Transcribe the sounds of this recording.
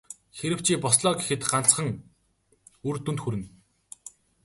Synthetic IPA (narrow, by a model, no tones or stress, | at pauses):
xeɾɘ̆w̥t͡ɕʰiːpɔsɮɔːɡexɘ̆t̪ɢant͡sχə̆ŋ | urt̪unt̪xuɾɘ̆n